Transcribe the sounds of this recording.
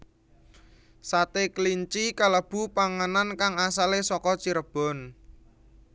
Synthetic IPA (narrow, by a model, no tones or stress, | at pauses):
sat̪ekliɲt͡ʃikaləb̥ṳpaŋanankaŋasalesɔkɔt͡ʃiɾəb̥ɔ̤n